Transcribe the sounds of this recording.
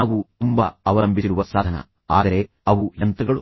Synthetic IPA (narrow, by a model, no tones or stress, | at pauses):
ʋut̪umbɐɐʋɐlɐmbʱisiɾuʋɐsaːd̪ʱɐnɐ̰ | a̰ːd̪ɐɾe̞ | ɐʋujɐnt̪ɐɡɐɭṵ